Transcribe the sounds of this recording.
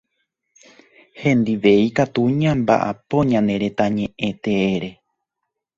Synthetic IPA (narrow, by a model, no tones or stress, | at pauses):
hẽ̞nd̪iʋe̞ikat̪uɲãmba̰ʔa̰põɲãnẽ̞ɾe̞t̪aɲẽʔẽt̪eeɾe̞